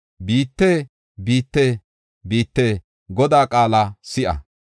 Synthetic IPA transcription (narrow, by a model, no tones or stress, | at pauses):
biːt̪ːe | biːt̪ːeː | biːt̪ːeː | ɡɔd̪aːkʼaːlɐsɪʔɐ̰